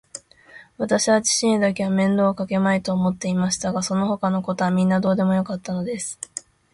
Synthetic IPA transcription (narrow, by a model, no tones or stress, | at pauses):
βat̪aɕiβat͡ɕi̥ɕĩd̪ake̞βamẽ̞nd̪o̞ːkake̞mait̪o̞ːmo̞t̪ːe̞imaɕi̥t̪aɡaso̞no̞ho̞kano̞ko̞t̪o̞βamʲĩnːad̪o̞ːd̪e̞mo̞jo̞kat̪ːano̞d̪e̞sɨ̥